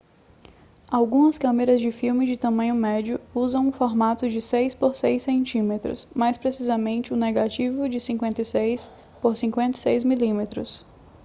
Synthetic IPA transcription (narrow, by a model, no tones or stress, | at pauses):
awɡũmɐskɐ̃meɾɐzd͡ʒɪfiwmɪd͡ʒɪt̪ɐ̃mɐ̃ɲʊmɛd͡ʒʊuzɐ̃w̃ũfoɾmat̪ʊd͡ʒɪsejspoɾsejsẽnt͡ʃĩmet̪ɾʊ̰smajspɾesizɐmẽnt͡ʃɪʊneɡat͡ʃivʊd͡ʒɪsĩŋkwẽnt̪ɐjsejs | poɾsĩŋkwẽnt̪ɐsejzmilĩmet̪ɾʊ̰s